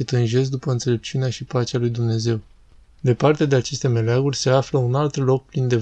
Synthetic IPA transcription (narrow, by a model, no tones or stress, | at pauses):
et̪ɨnʒe̞s̬̚d̪upəɨnt̪se̞le̞p̚t͡ʃiuneaʃipat͡ʃealujd̪umne̞ze̞w | d̪e̞part̪ead̪eat͡ʃe̞st̪e̞me̞leaɡurʲse̞afləunalt̪lo̞k̚pɾind̪e̞